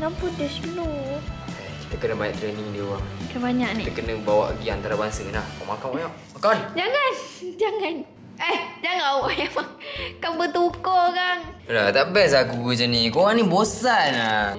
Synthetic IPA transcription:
ŋampudəslu | aki̥t̪əkənəbaɲaʔt̪ɾeniŋdiuwaŋkabaɲaʔnit̪kənəbawa̰ʔɡiant̪aɾabaŋsənahkamakakaɲaʔmakand͡ʒaŋand͡ʒaŋan | əhd͡ʒaŋawʔemaŋkaŋbət̪ukɔkanlat̪aʔbɛs̬akut͡ʃənikoɣaŋnibosana

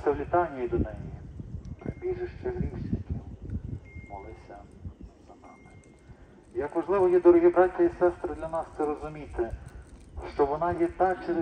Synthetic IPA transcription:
sʲɐwlʲit̪ɑnʲːɐjid̪ɔnɛji | bʲiʒɛʃt͡ʃɛɦɾʲiwʃʲit̪ɔ | mɔlˠɪsʲɐz̥ɐnɑmɪ | jɐkʋɐʒlˠɪʋɔjɛd̪ɔɾɔɦibɾɑtʲːɐjisɛst̪ɾɔd̪lʲɐnɑst̪sɛɾɔzʊmʲit̪ɪ | ʃt͡ʃɔʋɔnɑjɛt̪ɑk̚t͡ʃɛɾ

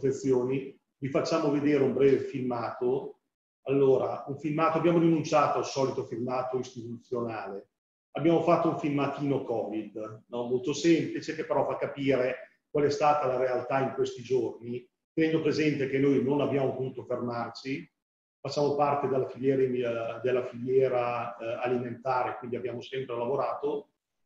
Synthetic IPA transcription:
fet̪sːjoːni | vifat͡ʃːaːmoved̪eːɾeumbɾɛːvefilmaːt̪o | alːoːɾauɱfilmaːt̪oabjaːmoɾinunt͡ʃaːt̪oalsɔːlit̪ofilmaːt̪oist̪it̪ut̪sːjonaːle | abjaːmofat̪ːouɱfilmat̪iːnokɔːvid̪nɔmolt̪osɛmplit͡ʃekepːeɾɔfakːapiːɾe | kwalɛst̪aːt̪alaɾealt̪aiŋkwest̪id͡ʒorni | t̪enɛnd̪opɾezɛnt̪ekenːojnonabjaːmopot̪uːt̪ofermart͡ʃi | fat͡ʃːaːmopart̪ed̪elːafiljɛːɾid̪elːafiʎjɛːɾaːliment̪aːɾekwind̪iabjaːmosɛmpɾelavoɾaːt̪o

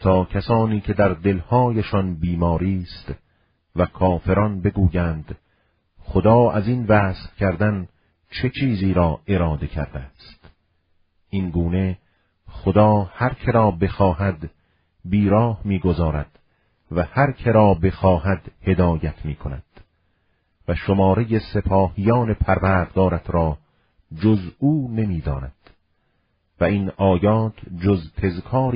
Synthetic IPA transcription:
t̪ʰɒːkʰæsɒːniːkʰe̞d̪æɾd̪e̞lhɒːjeʃɒnbiːmɒːɾiːst̪ | vækʰɒːfe̞ɾɒnbe̞ɡuːjæːnd̪ | χod̪ɒːʔæzinvæːsfkʰæɾd̪æn | t͡ʃʰe̞t͡ʃʰiːziːɾɒːʔe̞ɾɒːd̪e̞kʰæ̰ɾd̪æst̪ | ʔinɡuːne̞ | χod̪ɒːhæɾkʰe̞ɾɒːbe̞xɒːhæd̪ | biːɾɒːhmiːɡozɒːɾæd̪̥ | væhæɾkʰeɾɒːbe̞xɒːhæd̪he̞d̪ɒːjæt̪ʰmiːkʰonæ̰d̪̥ | væʃomɒːɾejesepʰɒːhijɒːne̞pʰæɾvæːɾd̪ɡɒːɾæt̪ʰɾɒː | d͡ʒozuːne̞miːd̪ɒːnæ̰d̪̥ | væinɒːjɒːt̪ʰd͡ʒozt̪ʰe̞zkʰɒːɾ

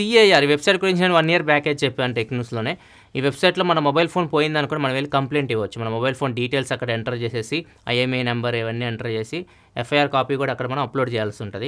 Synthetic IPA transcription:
siejaːɾiʋe̞bsɐjʈ̚ɡuɾiɲt͡ʃɐnʋɐnːijɐɾpaːkeːd͡ʒt͡ʃepːeːɐnʈeknuːslo̞ːne̞ː | iːʋe̞bsɐjʈlo̞ːmɐnɐmobɐjlpʰo̞ːnpoːjind̪ɐnukuːnimɐnɐʋelːikɐmpleːɳʈiʋʋɐt͡ʃːumɐnɐmobɐjlpʰo̞ːnɖiːʈe̞ːlsɐkːɐɽɐeɳʈɐɾt͡ʃe̞ːse̞ːsi | ɐ̰jemenɐmbɐɾiʋɐnːiːeɳʈɐɾt͡ʃeːsi | efʰɐjaːɾkaːpiːkuːɽaɐːkːɐɽɐmɐnɐ̃mɐploːɖt͡ʃɛːjaːlsiuɳʈud̪i

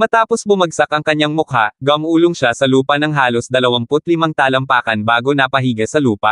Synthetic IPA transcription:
mɐt̪aːposbʊmɐɡ̚sɐkʔɐŋkɐɲːaŋmʊkhaɡɐmʔuːlʊŋʃasɐluːpɐnɐŋɦaːlosd̪ɐlɐwaŋpʊt̪̚lɪmɐŋt̪aːlɐmpaːkɐnbaːɡo̞nɐpɐɦiːɡɐsɐluːpɐ

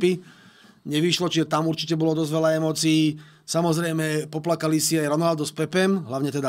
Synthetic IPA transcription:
pi | ɲɛʋiʃlɔt͡ʃiʒɛt̪amuɾt͡ʃicɛbɔlɔd̪ɔzʋɛlaɛmɔːt͡siː | samɔzɾɛjmɛpɔplakalisiajɾɔnald̪ɔspɛpɛmɦlaʊɲɛt̪ɛd̪a

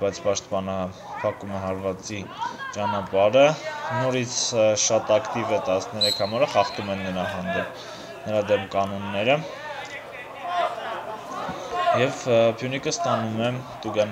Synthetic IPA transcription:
b̥ɑjt͡sʰpɑʃt̪pɑnɑ | pʰɑkumɛɦɑɾvɑt͡sit͡ʃɑnɑpɑɾənɔɾit͡sʰʃɑt̪ɑkt̪ivɛt̪ɑsnɛɾɛkʰhɑmɑɾəχɑχt̪umɛnːəɾɑɦɑnd̪ɛp̚ | nəɾɑd̪ɛmkɑnɔnːɛɾə | jɛvpʰjunikəst̪ɑnumɛt̪uɡɑn

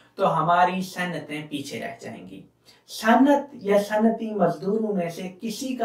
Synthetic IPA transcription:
t̪oɦɐmaːɾisɐnːət̪ẽpiːt͡ʃʰeɾɛ̰ɦd͡ʒa̰ːɦḛ̃ːɡḭː | sɐnət̪jasɐnːət̪imɐzd̪uːɾõmẽsekɪsika

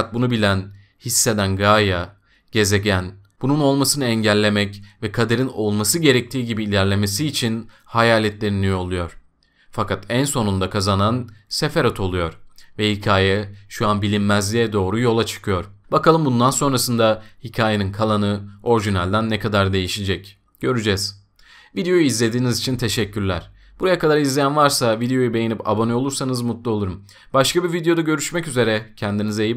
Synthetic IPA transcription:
at̪̚bunubilʲæn | hisːe̞d̪ænɡaːja | ɟ̥e̞ze̞ɟæn | b̥ununo̞lˠmasɯnɯɛɲɟælʲːe̞mɛcvɛkʰad̪aɾino̞lˠmasɯɟe̞ɾɛc̚t̪ʰiːɟibiːlʲæɾlʲe̞me̞siːt͡ʃʰin | hajaːlʲɛt̪lʲe̞ɾinijo̞lˠujo̞ɾ̥ | fakʰat̪ænso̞nund̪akʰazananse̞faɾat̪ʰo̞lˠujo̞ɾvɛhicʰaːjɛʃuanbilʲinmæzlʲijɛd̪o̞ːɾujo̞lˠat͡ʃʰɯ̥kʰɯjo̞ɾbakalˠɯmbund̪anso̞nɾasɯnd̪ahicʰaːjeninkʰalˠanɯo̞ɾʒinalʲd̪ænːɛkʰad̪aɾd̪e̞jiʃid͡ʒɛc | ɟ̥ø̞ɾyd͡ʒɛz̥ | vid̪ejo̞juizlʲe̞d̪iːnizit͡ʃʰint̪ʰe̞ʃɛcːyɾlʲæɾ̥ | b̥uɾajakad̪aɾizlʲejænvaɾsavid̪ejo̞jube̞jinipʰa̰bo̞nɛo̞lˠuɾsanɯzmut̪lˠuo̞lˠuɾum | baʃkabivid̪ejo̞d̪aɟø̞ɾyʃmɛcyze̞ɾɛcʰænd̪inizeji

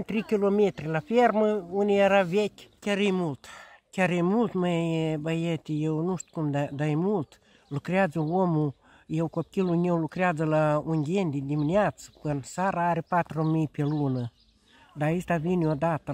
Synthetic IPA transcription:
nʲt̪ɾikilomet̪ɾilaferməunʲieɾavɛkʲkʲaɾijmult̪kʲaɾejmult̪mejbajet̪ʲijewnust̪kumd̪ad̪ajmult̪ | lukɾʲjad͡zəwomu | jewkop̚kʲilunʲewlukɾiad͡zɨlauŋʲɡʲenʲd̪ʲid̪ʲiminjat͡spɨnsaɾaɾʲipat̪ɾomipʲelunə | d̪aist̪avinjod̪at̪

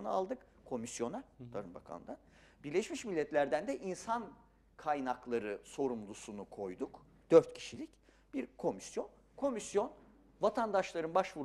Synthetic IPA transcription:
nɯalˠd̪ɯk | kʰo̞misjo̞nat̪ʰaɾɯnba̰kʰa̰nd̪an | biɾlʲeʃmiʃmilʲːɛt̪lʲæɾd̪ænd̪ɛʔinsan | kʰajnaklˠaɾɯso̞ɾumlˠusunukʰo̞jd̪uk | d̪̥øɾt̪cʰi̥ʃilʲic | b̥iɾkʰo̞misjo̞n | kʰo̞misjo̞n | vat̪ʰand̪aʃlˠaɾɯnbaʃvuɾ

